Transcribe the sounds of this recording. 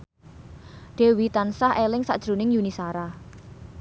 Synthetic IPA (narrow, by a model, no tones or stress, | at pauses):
ɖ̥e̤wit̪ansahelɪŋsa̰ʔd̥ʒ̥ɾṳnɪŋjunisaɾa